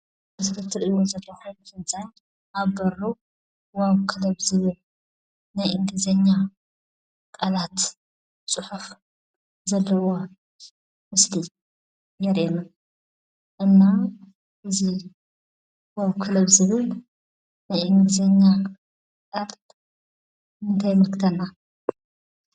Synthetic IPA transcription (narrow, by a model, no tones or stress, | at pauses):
bɨsɾɨt̪ʰɨɾʔiwozɐlːɐxonfɨnt͡sʼan | ʔaβbɐɾu | waβkʰɨlɐβzɨβɨl | najʔɨŋɡɨzɐɲːa | kʼalat̪ | t͡sʼɨħuf | zɐlːɐwo | mɨsli | jɛɾʔena | ʔɨnːa | ʔɨzi | waβkʰɨlɐβzɨβɨl | najʔɨŋɡɨzɐɲːa | kʼal | ɨnt̪ʰajmɨlkʰɨt̪ʰɐnːa